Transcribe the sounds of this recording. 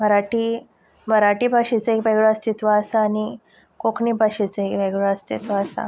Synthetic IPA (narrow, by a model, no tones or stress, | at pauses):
məɾaʈi | məɾaʈiːbʱaɕit͡səɦekbaɡɭəəst̪it̪ʋaəsaːni | kokɳibʱaɕit͡səɦekbɛɡɭəəst̪it̪ʋaəsa̰